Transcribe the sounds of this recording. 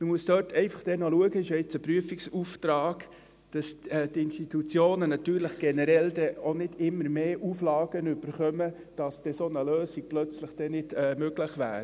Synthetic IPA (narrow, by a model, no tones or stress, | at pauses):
məmuəsd̥øtʰɛɪfɑχd̥ɛnoluəɡəɪʃjoɪt͡səpɾyəfiksuft̪ɾɑːɡ | d̥ɑsɛtɪnstit̪ut͡sjoːnənɑt̪yːɾləχɡ̥ɛnəɾɛldɛonɪd̥ɪmːəɾmeːʔuflɑːɡ̥ənʏb̥əɾχœmə | d̥ɑsd̥ɛsonəløːsiɡ̚plœt͡sləχd̥ɛnɪd̥ɛmøɡləχʋæ̰ːɾ